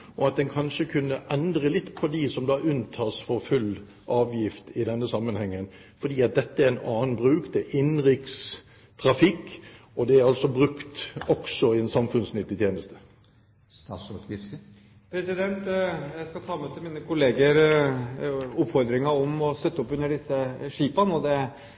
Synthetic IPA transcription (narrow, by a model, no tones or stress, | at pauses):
ʔɔɑt̪̚d̪ɛnkʰɑnʂəkʰʉnːəʔɛnd̪ɾəlɪt̪ːpʰɔd̪ɪsɔmd̪ɑːʔʉnt̪ʰɑːsfɔɾfʉlː | ʔɑːʋjɪft̪ɪd̪ɛnːəsɑmːənhɛŋːən | fɔd̪iːɑt̪̚d̪ɛt̪ːəæɛnɑːnbɾʉːkd̪ɛʔɪnʁɪks | t̪ʰɾɑfɪkː | ɔd̪ɛæɾɑlsɔbʁʉkt̪ɔksɔɪɛnsɑmfʉnsnʏt̪ːɪt̪jeːnəst̪ə̥ | st̪ɑ̰ːsʉːt̪ʋɪskə | pʰɾɛsɪd̪ɛnt̪jæɪskɑt̪ʰɑːmɛt̪ʰɪlmiːnəkʊleːɡəɾ | ʊpfɔɾd̪ɾɪŋɑɔmɔst̪œt̪ːɔpʉnːəɖɪsːəʂiːpɑnɔd̪ɛ